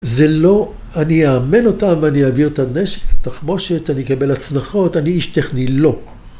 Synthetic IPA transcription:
zelo̞ | aniaame̞no̞tamvaniaviʁt̪aneʃe̥kat̪aχmo̞ʃetanikabe̞lat͡snaχo̞taniiʃt̪eχnilo̞

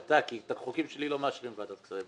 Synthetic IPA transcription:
at̪akit̪aχokimʃelilo̞meaʃʁimveat̪at̪kt͡sʁe

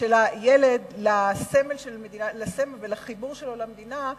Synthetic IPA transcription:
elajeled̪lasemelʃelmed̪inalasemelvelaχibuʁʃelo̞lamed̪ina

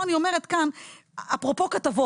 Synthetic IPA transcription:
anio̞me̞ʁetkan | apʁo̞po̞katavo

